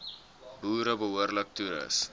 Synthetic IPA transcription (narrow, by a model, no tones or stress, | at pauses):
buːɾəbəɦuərlək̚tuɾə̰s